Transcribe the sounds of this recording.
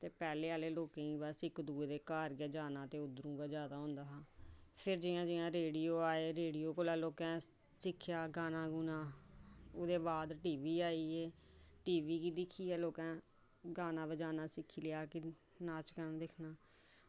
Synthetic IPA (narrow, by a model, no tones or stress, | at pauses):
t̪eːpɛːleːaːleːloːkẽːĩːbasɪkd̪uːeːd̪eːkaːɾɡɛːd͡ʒaːnãːt̪eːʊd̪ɾũːɡaːd͡ʒaːd̪aːɦõːnd̪aːɦaːpʰɪɾd͡ʒɪãːd͡ʒɪãːɾeːɖiːoːaːeːɾeːɖiːoːkolaːloːkɛ̃ː | sɪkʰːjaːɡaːnãːɡunãː | oːd̪eːbaːd̪ʈiːʋiːaːiːeː | ʈiːʋiːkiːd̪ɪkʰːiːɛːloːkɛ̃ː | ɡaːnãːbəd͡ʒaːnaːsɪkʰːiːlɪjaːkɪ | naːt͡ʃkənːd̪ɪkʰnaː